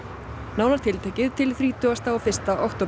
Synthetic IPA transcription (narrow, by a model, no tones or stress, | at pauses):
naːwlaɾ̥t̪ʰɪlt̪ʰɛːcɪðt̪ʰɪlθɾiːt̪ʏast̪aɔfɪr̥st̪aʔɔwht̪ɔ